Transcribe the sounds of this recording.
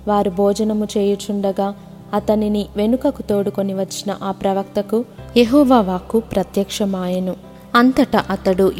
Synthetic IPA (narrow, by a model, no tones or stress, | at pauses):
ʋaːɾubʱɔːd͡ʒɐnɐmut͡ʃeːjut͡ʃuɳɖɐɡaː | ɐt̪ɐniniʋe̞nukɐkut̪o̞ːɽuko̞niʋɐt͡ʃːinɐ̰ʔaːpɾɐʋɐk̚t̪ɐkujeɦɔːʋaːʋaːkupɾɐt̪jɐkʂɐmaːjɐnu | ɐnt̪ɐʈɐʔɐt̪ɐɽu